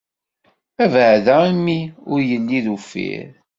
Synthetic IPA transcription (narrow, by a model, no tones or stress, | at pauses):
ævəʕðæimːiʊɾjəlːiðufḭɾ